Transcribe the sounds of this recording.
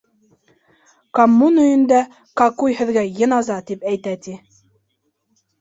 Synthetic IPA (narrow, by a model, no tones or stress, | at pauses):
kɐmːunɵ̆jɘ̆nd̪æ | kɑkujhɘ̆ðɡæjɤ̆nɑzɑt̪ipæjt̪æt̪i